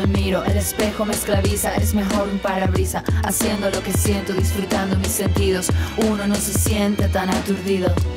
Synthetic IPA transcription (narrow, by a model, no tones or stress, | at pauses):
aðmiɾo̞ʔe̞le̞spe̞xo̞meesklaβisae̞zme̞xo̞ɾumpaɾaβɾisaa̰sje̞nd̪olo̞kesje̞nt̪o̞ðisfɾut̪and̪o̞misːe̞nt̪iðo̞suno̞no̞se̞sje̞nt̪e̞t̪anat̪uɾðiðo